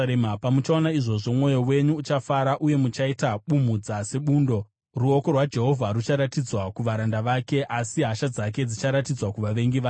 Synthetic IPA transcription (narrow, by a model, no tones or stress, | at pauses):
mpamut͡ʃaonaiʐo̞ʐo̞mŋo̞jo̞we̞ɲuːt͡ʃafaɾaʔuje̞mut͡ʃaitaɓum̤ud͡zase̞ɓuːndo̞ | ruo̞ko̞rwad͡ʒe̞ɦo̞vʱaɾut͡ʃaɾatid͡zwakuʋaɾandaʋake̞ʔasiɦaʃad͡zak̬e̞d͡zit͡ʃaɾatid͡zwakuʋaʋe̞ŋɡiʋaː